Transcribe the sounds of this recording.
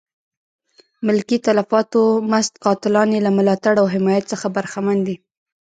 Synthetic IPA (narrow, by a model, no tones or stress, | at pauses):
mɪlkit̪alafɑt̪omast̪̚qɑt̪ɪlɑnelamʊlɑt̪aɽawɦɪmɑjat̪t͡səxabaɾxamand̪i